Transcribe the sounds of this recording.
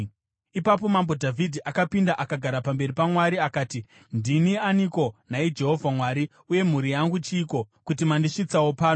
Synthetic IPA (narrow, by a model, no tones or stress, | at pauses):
ipap̬o̞mambo̞dʱavʱidʱiʔakapindaʔakaɡʱaɾapambe̞ripamwaɾiakaːti | ndinianiko̞naid͡ʒe̞ɦo̞vʱamwaːɾi | uje̞m̤uɾijaŋɡut͡ʃiːko̞kutimandiʂit͡sawopaːno